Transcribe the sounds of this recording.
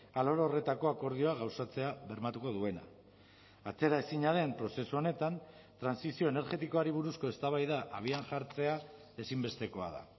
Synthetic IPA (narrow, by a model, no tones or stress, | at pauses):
alo̞ɾore̞t̪ako̞ako̞ɾð̞io̞aɣ̞awsat͡se̞aβe̞ɾmat̪uko̞ðue̞na̰ː | t͡se̞ɾaesiɲaðe̞mpɾo̞se̞suo̞ne̞t̪an | t̪ɾansisio̞ene̞ɾʝe̞t̪iko̞aɾiβ̞uɾusko̞e̞st̪aβajðaʔaβ̞iaŋʝaɾt͡se̞a | e̞simbe̞st̪e̞ko̞a̰ð̞a̰